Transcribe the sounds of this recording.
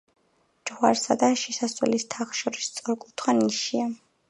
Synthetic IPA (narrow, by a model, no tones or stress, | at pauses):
d͡ʒʁwaɾsad̪aʃisaswɛ̰list̪ʰaχʃɔɾist̪sʼɔɾkʼut̪ʰχwaniʃia